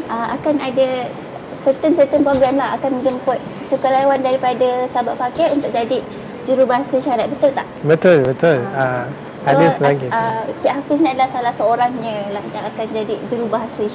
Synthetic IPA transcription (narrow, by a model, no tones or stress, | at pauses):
ʔəmʔa̰kanada | sət̪ənsət̪ənpɾoɡɾamlaɦa̰kanmə̃d͡ʒəmpʊt̪̚ | sukalawandaɾipadasabaʔ̪̚fakaunt̪ʊk̚d͡ʒadi | d͡ʒəɾubaɦasaʃaɾat̪̚bət̪ʊlt̪aʔbət̪ʊlbət̪ʊla | adəsəbaaŋiəsiʔɦapɪsɲə̃adalahsalahsəoɾaŋɲə̃lajaŋakand͡ʒadid͡ʒuɾubaɦasa